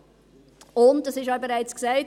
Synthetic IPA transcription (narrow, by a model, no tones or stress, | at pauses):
ʊnd̚dɑsɪʃɔbeɾaɪt͡sksaɪt